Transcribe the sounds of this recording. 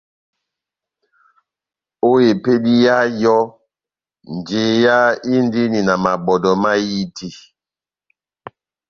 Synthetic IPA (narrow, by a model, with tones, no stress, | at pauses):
o˦je˨pe˦di˦ja˦jɔ˦ | n˨d͡ʒe˨ja˦i˦n˦di˦ni˨na˨ma˨bɔ˨dɔ˨ma˦ji˦tʰi˦